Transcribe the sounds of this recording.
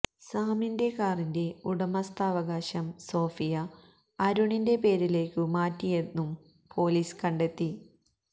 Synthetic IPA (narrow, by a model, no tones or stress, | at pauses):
saːminde̞kaːrinde̞uɽɐmɐst̪aːʋɐɣaːɕɐmso̞ːfijɐ | ɐɾuɳinde̞pe̞ːɾile̞ːkːɨmaːtːijenːum | pʰo̞ːliːskɐɳɖe̞t̪ːi